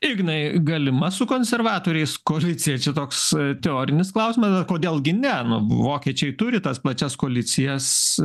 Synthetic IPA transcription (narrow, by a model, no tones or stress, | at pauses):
ɪɡʲnɐɪɡɐlʲɪmɐsʊkoːnʲsʲɛrʋɑːt̪oːɾʲɛɪskoːlʲɪt͡s̪ʲɪjɛt͡ʃʲɛt̪oːkst̪ʲɛoːɾʲɪnʲɪsklˠɐʊsʲɪmɐsɐkoːd̪ʲeːlˠɡʲɪnʲɛnʊ̰ʋoːkʲiɛt͡ʃʲɛɪt̪ʊɾʲɪt̪ɐsplˠɐt͡ʃʲɛskoːlʲɪt͡s̪ʲɪjɛs